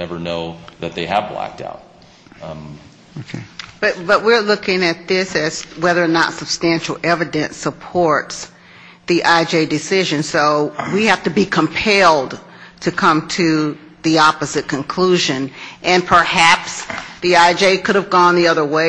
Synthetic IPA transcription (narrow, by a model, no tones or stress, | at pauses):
ɛvə˞noʊðɨt̪̚ðeɪɨvlæ̰k̚ta̰ʊt̚ | okʰeb̥ʌt̚b̥ʌʔ̚wɪɹlʊkɪ̃ŋɨt̪̚ðɪsɨz̥wɛðə˞nə̰tsəb̥stæ̃nʃl̩ˠɛvɨdɨ̃nsəpʰɔɹts | ðiʔaɪd͡ʒeɪdɨsɪʒɨ̃nsoʊwihæftɨbikʰə̃mpʰɛlˠd | tʰɨkʰʌ̃mtʰɨ | ðiɑpəzɨt̚kʰɨ̃nkʰl̥uʒɨ̃nʔɨ̃npʰə˞hæpsðiaɪd͡ʒeɪkʰʊɾɨvɡɔ̃nðiʌðə˞weɪ